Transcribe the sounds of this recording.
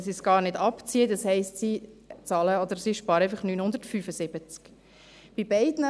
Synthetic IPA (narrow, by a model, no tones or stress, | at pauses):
sisɡ̥ɑːɾnɪdɑpt͡siəd̪ɑshɛɪstsit͡sɑːləɔd̥̪əɾsiʃpɑːɾɛɪfəχnyːnhʊnd̪əɾtfyːfəsɪb̥ət͡sk | b̥ibɛɪdnə